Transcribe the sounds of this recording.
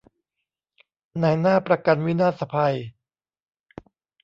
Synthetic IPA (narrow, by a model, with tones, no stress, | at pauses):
na˧˩jnaː˥˩pɾa˧ka˧nwi˦˥naː˥˩t̪sa˧pʰa˧j